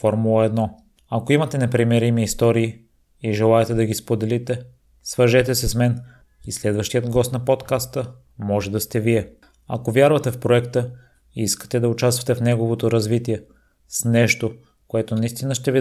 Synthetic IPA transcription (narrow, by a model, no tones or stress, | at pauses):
fɔɾmulˠəɛd̪nɔ | ɐkoimɐt̪ɛnɛpɾimɛɾimiːst̪ɔɾiː | iʒɛlˠaɛt̪ɛd̪ɐɡispod̪ɛlit̪ɛ | svəɾʒɛt̪ɛsɛsmɛn | islɛd̪vəʃt̪ijət̪ɡɔst̪nɐpot̪kast̪ə | mɔʒɛd̪ɐst̪ɛviɛ | ɐ̰kovjaɾvɐt̪ɛfpɾoɛkt̪ə | iiskə̥t̪ɛd̪ɐʊt͡ʃast̪vɐt̪ɛfnɛɡovot̪oɾɐzvit̪iɛ | snɛʃt̪o | koɛt̪onɐist̪inəʃt̪ɛvi